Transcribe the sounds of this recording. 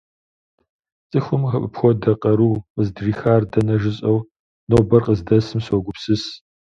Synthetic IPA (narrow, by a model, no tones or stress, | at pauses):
t͡sʼɨxʷʊmʁɐʔʼɨpxʷɔdɐqʼɐɾuːqəzdriːxaːrdɐnɐʒɪɕʼɐw | noːbɐrqəzdɐsɨmsɔɡʷʊpsɨs